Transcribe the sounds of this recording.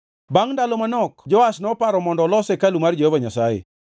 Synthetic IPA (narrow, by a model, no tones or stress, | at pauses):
baŋndalomanɔkd͡ʒɔasnɔpaɾɔmɔndɔlɔsekalumard͡ʒɔhovaɲasajḛ